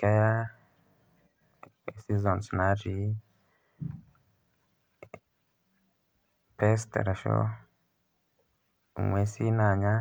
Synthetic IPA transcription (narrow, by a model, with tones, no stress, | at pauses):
ka˦ja˦ | e˨si˦zɔ˨nsna˨˦ʒi˨˦ | pe˦stḛ˨ɾa˨ʃo̰˦ | u˨ŋwe˨˦si˦na˨ɲa˦